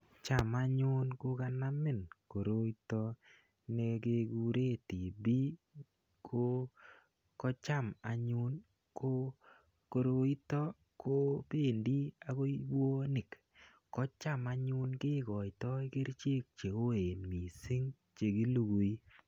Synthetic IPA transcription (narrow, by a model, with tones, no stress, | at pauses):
t͡ʃa˦˨ma˦ɲʊ˦nko˦ka˦na˦mɪ˦˨nko˨ɾo˦i˦tɔ˦ | ne˨ɡe˦ɡu˦ɾe˦ti˨bi˦ | kʰo˦ | kɔ˦t͡ʃa˦˨ma˨ɲʊ˦n | ko˦ | ko˨ɾo˦i˦tɔ˦ | ko˦pe˦˨ndi˦a˨ko˦i˦bo˦nɪ˨k | kɔ˦t͡ʃa˦ma˦ɲʊ˦nɡɪ˦ɡɔ˨ɪ˨tɔ˦i˦ke˦ɾt͡ʃe˦k̚t͡ʃe˨o˦e˨nmi˨sɪ˦ŋ | t͡ʃe˨ɡi˦lu˦ɡu˨i˦